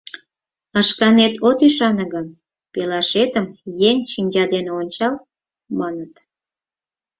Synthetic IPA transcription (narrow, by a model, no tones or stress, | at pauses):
əʃkɑnet̪ot̪yʃɑnəɣən | pelɑʃet̪əmjeŋʃinʲd͡ʑɑd̪eneonʲt͡ɕɑl | mɑnət̪